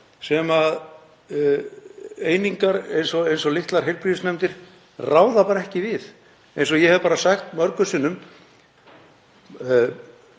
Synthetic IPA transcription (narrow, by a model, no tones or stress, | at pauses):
sɛmað | eːjniŋkaɾḛjnsɔejnsɔlɪht̪laɾ̥ɦejlpɾiðɪsnɛmt̪ɪɾ̥ | raːwðapaːɾaɛhcɪvɪð | ejnsɔjɛhɛvpaːɾasaxt̪mœɾkʏsɪːnːʏm